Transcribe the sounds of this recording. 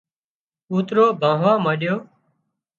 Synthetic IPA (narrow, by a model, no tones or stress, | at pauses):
uːt̪ɾoːbʱãːɦʋãːmaːɗjoː